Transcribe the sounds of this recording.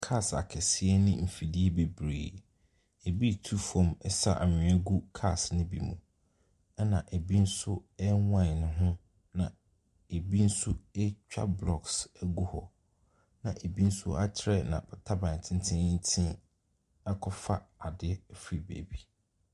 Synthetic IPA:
kʰa˦˨sa̰˨kʰɛ˨sɪ˦ɛ˦nɪ̃˦m̩˨fi˨di˦e˦be˨bɾḛː˨ | e˨bi˦tʰu˦fɔ̃˨mɛ˨sa̰˦˨ʔa˨ɲɪ̃˨ɛ˦ɡu˦kʰa˦˨snɪ̃˦bḭ˨mũ˨ | ɛ˦nã˨ʔe˨bi˦n̩˦sʊ˦ɛ˦wã˦˨nʊ̃˦ɦʊ̃˦ | nã˨ | e˨bi˦n̩˦sʊ˦ɛ˦t͡ɕᶣa̰˦blɔ˨ksɛ˦ɡu˦hɔ˨ | nã˨ʔe˨bi˦n̩˦sʊ˦a˦t͡ɕʰɪ˦ɾɛ˦nã̰˨b̥ɛ˨tʰa˦bã˨tʰɪ̃˦n˦tʰɪ̃˦n̩˦tʰɪ̃˦ | ɛ˦kʰɔ˦fa˦a˨dɪ˦˨fi˦˨bḛ˨bi˦

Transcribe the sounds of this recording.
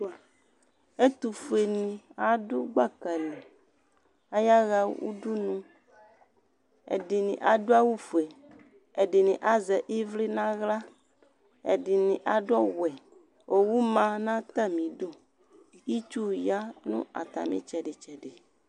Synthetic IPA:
e˦t̪u˨fu˨e˨nĩ˨a˨do˦ɡ͡ba˦ka˨li˨ | a˦ja˦ɣa˨˦wṵ˦ɖu˦nũ˦ | ḛ˨ɖi˨nḭ̃˨ʔa˨ɖo˦a˦wu˦fu˨e˨ | e˨ɖi˨nĩ˨ʔa˦zɛ˨ʔi˦vle˦nã˦ɣla˦ | ḛ˨ɖi˨nĩ˨ʔa˨ɖɔ˦wɛ˨ | wʔo˨wu˦mã˦nã˦t̪a˦mĩ˨ɖo˦ | i˦t͡ʃu˦ja˦nṵ̃˦a̰˨t̪a̰˨mḭ̃˨t͡ʃɛ˨ɖe˨t͡ʃɛ˨ɖe˨

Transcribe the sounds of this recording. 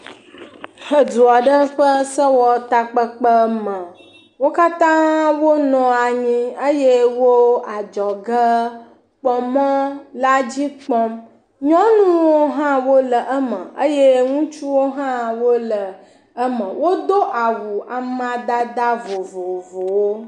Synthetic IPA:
hə˨du˨a˨ɖə˦ɸə˦sə˦wɔ˦t̪a˦k͡pə˦k͡pə˦mə̃˨ | wo˦ka˦t̪ã˦wo˦nɔ̃˨a˨ɲĩ˦ə˦je˦wo˦a˨d͡ʒɔ˨ɡə˦ | k͡pɔ˨mə̃˦la˦d͡ʑi˦k͡pɔ˦m | ɲɔ̃˦nũ˦wo˦ɦã˦wo˦lə˨ʔə˦mə̃˨ə˦je˦ŋũ˦t͡ʃu˦wo˦ɦã˦wo˦lə˨ | ə˦mə̃˨wo˦d̪o˦ʔa˨wu˨a˨mã˨d̪a˦d̪a˦vo˨vo˨vo˨wo˦

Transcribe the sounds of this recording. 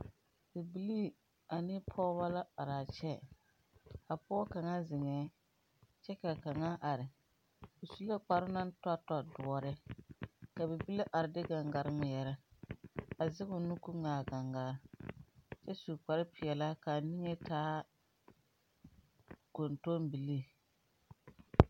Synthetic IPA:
bɛ˨bi˦li˦ | a˨nɪ˦pʰɔː˦βa˦la˦a˨ɾa˨t͡ʃɛ˦ | a˨pɔ˦ka˨ŋa˦zɪ˨ŋɛ˨˦ | t͡ʃɛ˦ka˨ka˨ŋa˦ʔa˨ɾɪ˨ | o˨su˦la˦k͡pa˨ɾʊ˦na˦n˦ta˦tɔ˦dʊ˨ɔ˨ɾɪ˦ | ka˨bɛ˨bi˦le˦ʔa˨ɾɪ˨dɪ˦ɡa˨ŋɡa˨ɾɪ˦ŋʊ˨jɛ˨ɾa˦ | a˨zɪ˦ɡʊ˨nu˦ku˦ŋaː˨ɡa˨ŋɡa˨˦ | t͡ʃɛ˦su˨k͡pa˨ɾɪ˦pɪ˨ɛ˨la˦ka˨ni˦ŋe˦tʰaː˦ | ko˨nto˦mbi˨li˦˨

